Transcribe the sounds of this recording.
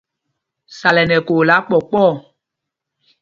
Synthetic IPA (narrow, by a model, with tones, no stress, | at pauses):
sa˨lɛ˨nɛ̃˨ko˨la˨˦k͡pɔ˨k͡pɔ˦˨